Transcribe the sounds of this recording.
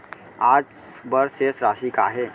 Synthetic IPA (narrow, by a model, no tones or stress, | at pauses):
aːd͡ʒ | bəɾsesɾaːʃika̰ːɦeː